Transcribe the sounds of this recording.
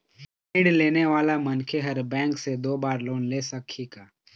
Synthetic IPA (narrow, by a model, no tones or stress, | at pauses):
ɪɽleːneʋaːlamɐnkʰeɦɐɾbɛ̃ːŋksed̪oːbaːɾloːnleːsɐkʰːikaː